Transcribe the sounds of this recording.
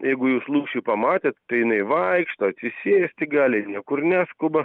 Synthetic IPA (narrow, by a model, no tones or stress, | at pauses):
jɛɪɡʊjuːslˠuːkʃʲiɪpɐmɑːt̪ʲeːt̪ːɐɪjɪnɐɪʋɐɪkʃt̪oːɐt̪ʲsʲɪsʲeːsʲt̪ʲɪɡɑːlʲɪnʲiɛkʊrnʲæːskʊbɐ